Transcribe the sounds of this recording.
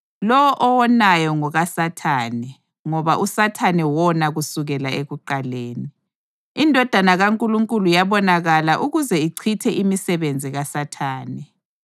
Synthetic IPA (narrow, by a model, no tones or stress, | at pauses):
lɔwɔʔɔwɔnajɔŋɔɣasatʰaːnɛ | ŋɔβaʔusatʰanɛwɔnaɣusuɣɛlaeɣuǃaleːni | indʱɔd̥ʱanaɣaŋkʼuluŋkʼulujaβɔnaɣalaʔuɣuzɛiǀʰitʰɛʔimisɛβend͡zʱiɣasatʰaːnɛ